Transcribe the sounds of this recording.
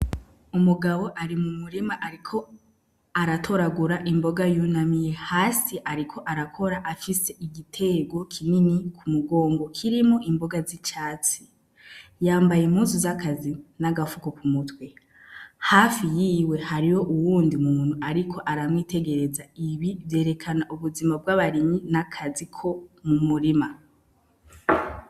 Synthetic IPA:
umuɡaβo̞ʔaɾimumuɾimaʔaɾikʰo̞ | aɾatʰo̞ɾaɡuɾaʔimbo̞ɡajunamije̞haːsiʔaɾikʰo̞ʔaɾakʰo̞ɾaʔafise̞ʔiɡitʰe̞ɡo̞kʰininikʰumuɡo̞ːŋɡo̞kʰiɾimoʔimbo̞ɡazit͡ʃaːt͡si̥ | jaːmbajeimhuːzuzakazinaɡafukokumutwe̞ | haːfijiːwe̞haɾijo̞ʔuwuːndimuuːn̥huʔaɾikʰo̞ʔaɾamŋiːte̞ɡe̞ɾe̞zaiβibje̞ːɾe̞kʰanaʔuβuzimab̚ɡaβaɾiminakʰazikʰo̞mumuɾima

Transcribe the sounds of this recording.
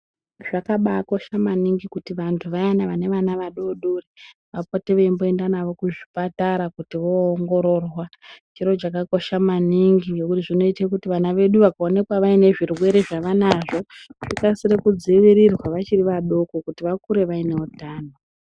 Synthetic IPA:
ʐ̥akaɓako̞ʃamaniŋɡikutiʋantʰuʋajanaʋane̞ʋanaʋaɗoɗure | ʋapoteʋeimbo̞e̞ndanaʋo̞kuʐipataɾakutiʋo̞ːŋɡo̞ɾo̞ːrwa | d͡ʒiɾo̞t͡ʃakako̞ʃamaniŋɡijokutiʐino̞itekutiʋanaʋe̞ɗuʋakao̞ne̞kwaʋaine̞ʐirwe̞ɾeʐaʋanaʐo̞ʐ̥ikasirekud͡ziʋiɾirwaʋat͡ʃiriʋaɗo̞kokutiʋakuɾe̞ʋaine̞utaːno

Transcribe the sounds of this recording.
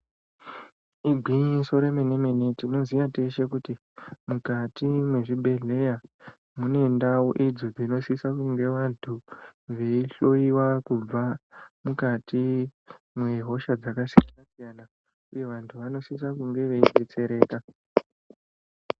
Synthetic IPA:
iɡʱwiɲiso̞ɾe̞mene̞me̞ne̞tino̞ziʋate̞ʃe̞kuti | mukatimwe̞ʐibʱe̞ɮe̞ja | mune̞ndaoʔid͡zod͡zino̞sisakuŋɡe̞ʋantʰuʋe̞iɬo̞iwakub͡vamukatʰi | mweɦo̞ʃad͡zakasianasijana | uje̞ʋantʰuʋano̞sisakuŋɡe̞ʋe̞ibʱet͡se̞ɾe̞ːka

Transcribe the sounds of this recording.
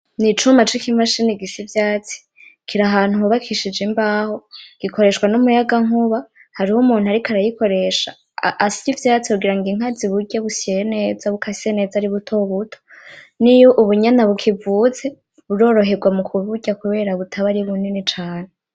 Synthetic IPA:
nit͡ʃumat͡ʃikimaʃiniɡisivjaːt͡si̥ | kʰiɾaɦaːn̥uhuβakʰiʃid͡ʒimbaːho̞ɡ̥ikʰo̞ɾe̞ʃkwanumujaɡaŋuβa | haɾihomuːnuaɾikʰaɾajiko̞ɾe̞ʃa̰ | ʔːsijivjaːt͡sihuɡiɾaŋɡiŋ̥aziβuɟeβuseene̞ːd͡zaβukʰasisene̞ːd͡zaɾiβutʰo̞βutʰonijoʔuβuɲanaβukʰivut͡se̞ | βuɾo̞ɾo̞ɦe̞ɡwamukʰuβuɟakuβe̞ːɾaβutʰaβaɾiβuninit͡ʃaːne

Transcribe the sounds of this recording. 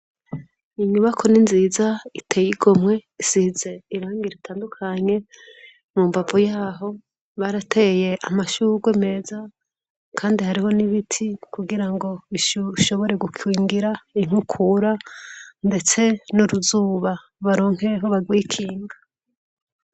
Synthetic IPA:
iɲuβakʰo̞ninziːzaitʰe̞ːjiɡ̥o̞mŋe̞isize̞iɾaːŋɡiɾitaːndukʰaɲe̞ | mumvapojaːɦo̞ | βaɾatʰeje̞ʔamaʃuɡweme̞ːza | kʰaːndihaɾiho̞niβitʰikuɡiɾaŋɡo̞βiʃʃo̞βo̞ɾe̞ɡukwiːŋɡiɾaiŋ̥ukʰuɾande̞t͡se̞nuɾuzuːβa | βaɾo̞ːŋ̥e̞ɦo̞βaɡwiːkʰiːŋɡa

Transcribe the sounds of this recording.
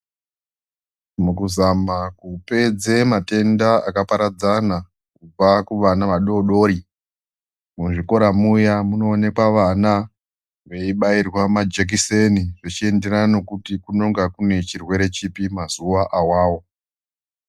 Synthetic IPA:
mukuzamakupe̞d͡zemate̞ndaakapaɾad͡zana | kub͡vakuʋanaʋaɗo̞ɗo̞ːɾi | muʐiko̞ɾamujamuno̞ːne̞kwaʋana | ʋe̞iɓairwamad͡ʒek̬iseniʐet͡ʃie̞nde̞ɾano̞kutikuno̞ŋɡakune̞t͡ʃirwe̞ɾe̞t͡ʃipimazuwaʔawaːwo

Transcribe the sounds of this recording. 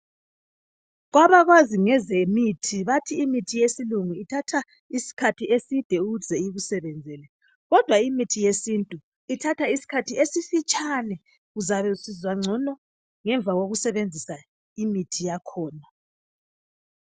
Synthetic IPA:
ɣwaβaɣwaziŋɛzemitʰiβatʰiːmitʰijesiluŋuitʰatʰa | isi̥kʰatʰiesid̥ʱɛuzʱɛiβusɛβɛnd͡zʱɛlɛ | ɣɔd̥ʱwaimitʰijesintʼu | itʰatʰaisi̥kʰatʰiesifit͡ʃʼʰanɛ | ɣuzaβɛusizwaŋ͡ǀʱɔnɔ | ŋɛɱb̪vʱaɣoɣusɛβend͡zʱisa | imitʰijakʰɔːna

